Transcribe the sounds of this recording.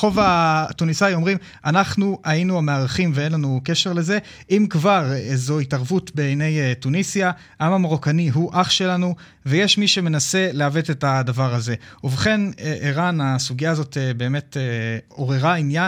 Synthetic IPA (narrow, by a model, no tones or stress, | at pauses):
χo̞vatunisajo̞mʁim | ʔanaχnuainuameaʁaχimveenlanuke̞ʃe̞ʁle̞ze̞ | ʔimkvaʁezoitaʁvutbeejne̞jtunisija | ʔamamaʁokaniɦuʔaχʃe̞lanu | vejeʃmiʃe̞me̞nase̞leave̞tetadavaʁaze̞uveχe̞neʔeʁanasuɡijaːzo̞tebe̞ːme̞teo̞ʁeʁainja